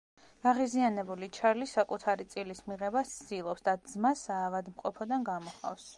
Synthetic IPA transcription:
ɡ̥aʁizianɛbulit͡ʃʰaɾlisakʼut̪ʰaɾit̪sʼilismiʁɛbast̪d̪̥ilˠɔpsd̪ad̪zmasaːvad̪mqʼɔ̰pʰɔd̪anɡamɔχa̰fs

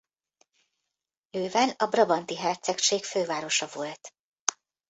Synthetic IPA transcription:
løːvɛnɒbrɒbɒnt̪iɦɛrt̪sɛkʃeːkføːvaːɾo̞ʃɒvo̞lt̪

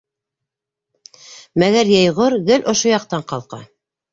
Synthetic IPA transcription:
mæɣæɾjɑjʁoɾɡɘlʲʔŏʃojɑqt̪ɑɴqɑlˠqɑ̰

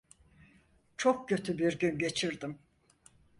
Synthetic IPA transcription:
t͡ʃʰok̚cø̞t̪ʰybiɾɟynɟe̞t͡ʃʰiɾd̪im

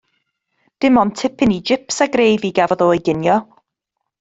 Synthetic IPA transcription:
d̥ɪmɔntʰɪpɪnid͡ʒɪpsaɡrejviɡavɔðoːjɡɪnjɔ

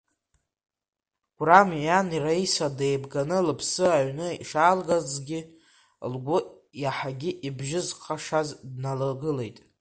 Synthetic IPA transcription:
ɡ̥ʷramjaniraisadejbɡanɨlɨpʰsɨaɥnɨḭʂaːlɡazɡʲɪ | lɡʷʊ | jaħaɡʲɪʔibʒɪzqʰaʂazdnalaɡɨle̞jtʼ

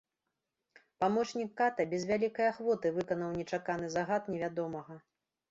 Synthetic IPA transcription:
pamɔt͡ʂnʲikːat̪ɐbʲɛzvʲalʲikɐjaxvɔt̪ɨvɨkɐnɐwnʲɛt͡ʂakanɨzaɣat̪nʲɛvʲad̪ɔmɐɣɐ

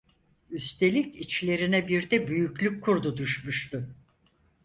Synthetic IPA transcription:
yst̪ʰe̞lʲicit͡ʃlʲe̞ɾinɛbiɾd̪ɛbyjyklʲykʰːuɾd̪ud̪yʃmyʃt̪ʊ

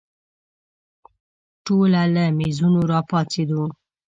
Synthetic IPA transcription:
ʈolaləmezunoɾɑpɑt͡sed̪o

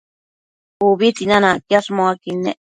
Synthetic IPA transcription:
uβit̪inanãkjasmoakinḛʔ

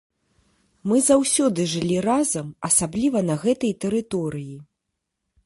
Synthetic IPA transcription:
mɨzawsʲɔd̪ɨʐɨlʲirazɐmɐsablʲivɐnɐɣɛt̪ɐjt̪ɛɾɨt̪ɔɾɨji

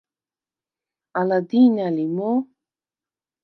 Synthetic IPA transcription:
alad̪inalimo

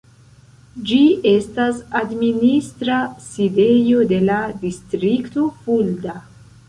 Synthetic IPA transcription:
d͡ʒie̞stasadministɾaside̞jo̞de̞ladistɾikto̞fulda

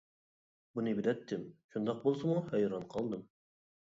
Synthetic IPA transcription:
bunɨbɪd̪ɛt̪ʰːɪmʃund̪ɑq̚bolˠsɨmuhɛjɾɑnqʰɑlˠd̪ɨm

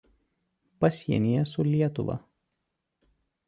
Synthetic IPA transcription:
pɐsʲiɛnʲijɛsʊlʲiɛt̪ʊ̰ʋɐ̰

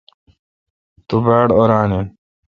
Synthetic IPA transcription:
t̪ubaːɽoɾaːnen

